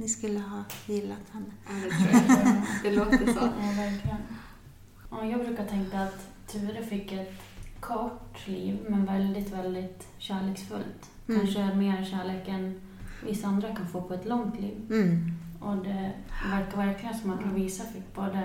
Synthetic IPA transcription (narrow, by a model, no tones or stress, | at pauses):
nɪskɵlːəɦɑːjɪlːat̪hɛnːəad̪ɛ | d̪ɛloːt̪əɔ̰væɾkʰlɪɡən | ɔjɑːɡbɾʉ̟ːkat̪ʰɛŋkaːt̪ʰː | ʉːvəɾəfɪkːɛt̪ | kʰɔʈːliːvmɛnvɛld̪ɪt̪vɛld̪ɪt̪ | ɕæːɭeːksfɵ̰lt̪ | kanʂəæɾmeːɾɛnɕæːɭeːkɛn | vɪsːaand̪ɾakʰanfoːpʰɔɛt̪lɔŋt̪lḭːv | ɔd̪ɛvæɾkːaɾvæɾklɪɡənsɔmːat̪ɾaviːsafɪkːbɑːd̪a